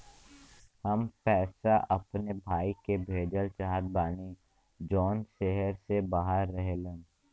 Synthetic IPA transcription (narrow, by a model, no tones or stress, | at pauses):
həmpɛːsaʔɐpnebʱaːikebʱeːd͡ʒəlt͡ʃaɦt̪̚baːni | d͡ʒɔːnʃeɦəɾsebaːɦəɾːəɦelẽ